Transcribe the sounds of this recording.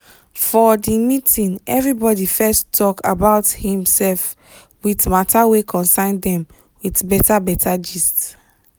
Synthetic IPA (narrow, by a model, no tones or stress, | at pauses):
fɔdimitʰĩnɛvɹibɔdifɛstʰːɔka̰baʊthĩmsɛlf | witmatawekʰɔ̃nsãɪ̃ndɛ̃m | witbɛtabɛtʰad͡ʒists